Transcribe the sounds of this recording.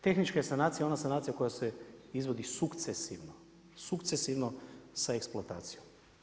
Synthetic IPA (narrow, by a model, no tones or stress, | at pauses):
t̪e̞xnit͡ʃkajesanaːt̪sijao̞nasanaːt̪sijako̞jaseizʋo̞d̪isukt̪sesiʋno | sukt̪sesiʋnosaeksplˠoat̪a̰ːt̪sijom